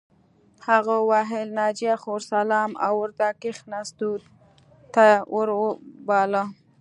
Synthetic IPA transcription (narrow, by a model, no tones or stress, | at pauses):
haɣawɑɦɪlnɑd͡ʒijaxoɾsalɑma̰wʊɾt̪akɪxnasd̪ud̪ | t̪awʊɾbɑla